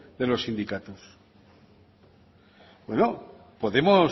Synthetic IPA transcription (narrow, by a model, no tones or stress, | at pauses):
ðe̞lo̞sind̪ikat̪os | bwe̞no | po̞ðe̞mo